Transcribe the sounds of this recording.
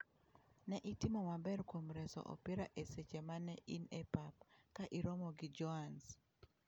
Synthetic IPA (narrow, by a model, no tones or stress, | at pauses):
nɛʔitɪmɔmabɛrkwomɾɛsɔ̰ʔɔ̰piɾaʔeset͡ʃɛmanɛʔinepap̚kaʔiɾɔmɔɡɪd͡ʒɔans